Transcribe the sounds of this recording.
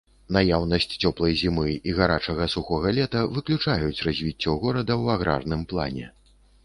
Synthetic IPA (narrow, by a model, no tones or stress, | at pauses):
najawnɐsʲt͡sʲt͡sʲɔplˠɐjzʲimɨiɣaɾat͡ʂɐɣɐsuxɔɣɐlʲɛt̪ɐvɨklʲut͡ʂajut͡sʲrazʲvʲit͡sʲːɔɣɔɾɐd̪ɐwaɣɾa̰rn̪ɨmplˠa̰nʲɛ̰